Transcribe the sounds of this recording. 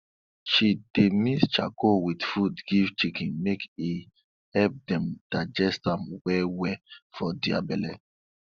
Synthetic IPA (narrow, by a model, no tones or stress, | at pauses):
ʃid̥emist͡ʃakowidfudɡiv̥t͡ʃikĩnmeki | hɛp̚dɛ̃md̥aɪd͡ʒɛstãmwɛwɛfɔdia̰bɛlɛ